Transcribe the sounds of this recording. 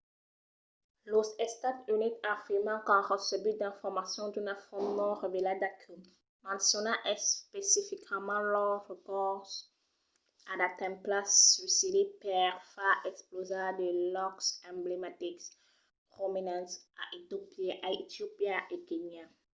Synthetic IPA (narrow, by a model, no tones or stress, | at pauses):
losɛst̪at̪ynit̪afiʁmɑ̃kɑ̃ʁəsəbyd̪ɛ̃fɔʁmasjɔ̃d̪ynafɔmnɔ̃ʁəvelad̪akʰy | mɑ̃nsjɔnãʔɛspesifikʰmɑ̃lɔʁəkɔs | adat̪ɛ̃mplasɥisid̪epɛʁfaʔɛksplozad̪əlɔksɛ̃blemat̪iks | pʁominãnsaʔit̪opʔait̪iopjaʔekenja